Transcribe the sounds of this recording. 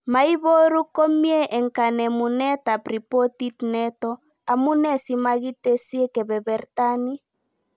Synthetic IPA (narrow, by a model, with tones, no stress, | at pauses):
ma˨i˦βɔ˦ɾu˦ko˦mi˦ɛ˦ʔɛ˨ŋka˨nɛ˨mu˨nɛ˦ta˨pɾi˨pɔ˦ti˦tnɛ˦tɔ˦ | a˨mu˦nɛ˦si˦ma˦ɣi˦tɛ˦si˦ɛ˦kɛ˨βɛ˨βɛ˨ɾtani˦